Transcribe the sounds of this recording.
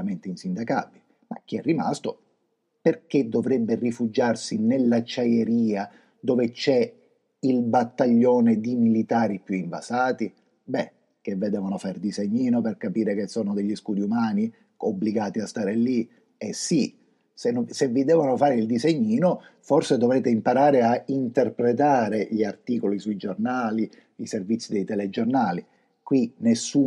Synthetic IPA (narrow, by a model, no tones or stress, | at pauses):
ament̪einsind̪aka̰bːi | ma̰k̟ːiɛrːima̰st̪o | perked̪ːovɾɛbːerifud͡ʒarsinelːat͡ʃːajeɾiːa | d̪oːvet͡ʃɛ | ilbat̪ːaʎːɔːned̪imilit̪aːɾipjuiɱva̰saːt̪i | bɛ | k̟evːed̪ɛːvonofaɾd̪izeɲːiːnoperkapiːɾek̟esːɔːnod̪eʎːiskuːd̪iumaːni | obːliɡaːt̪iast̪aːɾeli | esːi | sensevːid̪ɛːvonofaːɾeild̪izeɲːiːnofɔrsed̪ovɾeːt̪eimpaɾaːɾeaint̪erpɾet̪aːɾeʎiart̪iːkolisuid͡ʒornaːli | iservit̪sːid̪ejt̪ɛled͡ʒornaːli | kwinesːuː